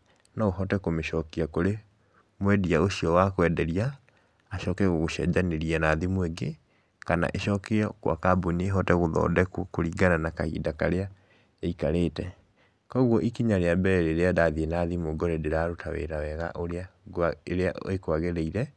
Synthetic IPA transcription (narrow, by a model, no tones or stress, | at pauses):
naoɦɔtɛkomeʃɔkiakoɾe | mwɛdiaoɕiɔwakwɛdɛɾiaː | ʃɔkɛɣoɣoʃɛ̰d͡ʒaneɾianaːðimweɡe | kana̰ʔeʃɔkɛɔkwa̰kaboneeɦɔtɛɣoðɔ̰ːdɛkwkoɾiːɡananakahḭːdakaɾea | eikaɾeːtɛ | kɔɣwɔʔikiɲaɾeabɛɾɛɾeɾeadaðienaðimoɡɔɾedeɾaɾotʰawḛɾawɛɣa̰ʔoɾeaeɾeaekwaɣɛɾɛiɾɛ